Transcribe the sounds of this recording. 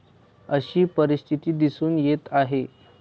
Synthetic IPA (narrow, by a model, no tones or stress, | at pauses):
əɕiːpəɾist̪ʰit̪iːd̪isuːnjet̪aɦe